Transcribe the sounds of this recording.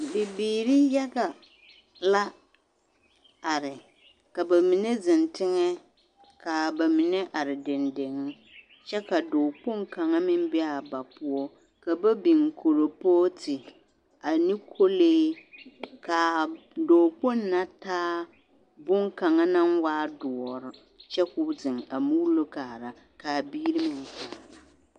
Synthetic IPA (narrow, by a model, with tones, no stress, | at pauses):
bɪ˨biː˨ɾi˦jɛ˦ɣa˨ | la˦ | a˨ɾɪ˨ | ka˨ba˨mi˨ne˦zɪ˨ntɪ˦ŋɛ˦ | ka˨ba˨mɪ˨ne˦ʔa˨ɾɪ˨dɪ˨nde˨ŋ˦ | t͡ʃɛ˦ka˨doː˨k͡po˦ŋka˨ŋa˦mɪ˦m˦bɪ˦a˨ba˨pʊ˦ɔ˦ | ka˨ba˦bi˨ŋkʰo˨ɾo˨poː˦tʰɪ˨ | a˨ni˦kʰo˦leː˦ | ka˨ | doː˨k͡po˦nːa˦taː˦ | bʊ˦ŋka˨ŋa˦na˦nwaː˦dʊ˨ɔ˨ɾɪ˨ | t͡ʃɛ˦kʊ˦bdɪ˨ŋa˨mu˦lo˦kaː˨ɾa˨ | ka˨biː˦ɾi˦mɪ˨ŋ˨kaː˨ɾa˨